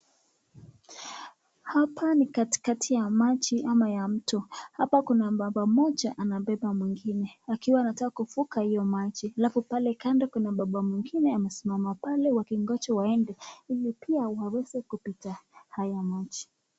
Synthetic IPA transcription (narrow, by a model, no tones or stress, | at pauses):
hapʰanikati̥katʰijamat͡ʃiʔamajam̩tɔhapakunaɓaɓamɔt͡ʃaʔanaɓɛɓamwiŋɡinɛakiwaːnatakakufukahijɔmat͡ʃialafupalɛkandakwɛnaɓaɓamwiŋɡinɛamɛsimamapalɛwakiŋɡɔt͡ʃɔwaɛndɛilipiawawɛzɛkupitahajamat͡ʃi̥